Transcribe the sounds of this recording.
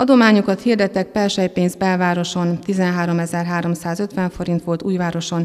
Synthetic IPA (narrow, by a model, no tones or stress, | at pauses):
ɒd̪o̞maːɲokɒt̪hiːrd̪ɛt̪ːɛk̚pɛlʃɛjpeːnzbɛlvaːɾo̞ʃo̞nt̪izɛnɦaːɾo̞mɛzɛrɦaːɾo̞msaːzø̞t̪ʋɛɱfo̞ɾint̪ʋo̞lt̪uːjvaːɾo̞ʃo̞n